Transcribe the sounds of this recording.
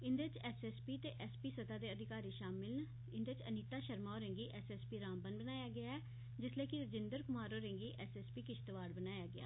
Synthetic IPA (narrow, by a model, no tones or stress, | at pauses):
ɪnd̪eɪt͡ʃɛːsɛːspiːt̪eːʔɛːspiːsət̪aːd̪eːəd̪ʱɪkaːɾiːʃaːmɪln | ɪnd̪eːɪt͡ʃəniːt̪aːʃəɾmaːoːɾɛ̃ŋɡiːʔɛːsɛːspiːɾaːmbənbənaːjaːɡɪaːɛː | d͡ʒɪsleːkɪɾəd͡ʒɪnd̪əɾkʊmaːɾoːɾɛ̃ŋɡiːʔɛsɛːspiːkɪt͡ʃʰt̪əʋaːɽbənaːjaːɡɪa̰ː